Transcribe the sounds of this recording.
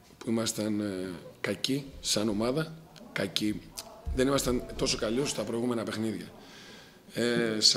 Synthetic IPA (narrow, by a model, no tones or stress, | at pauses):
puimɐst̪ɐnkɐcisɐno̞mɐðɐkɐciðe̞nimɐst̪ɐnt̪o̞so̞kɐliost̪ɐpɾo̞iɣume̞nɐpe̞xniðʝɐ̰ | es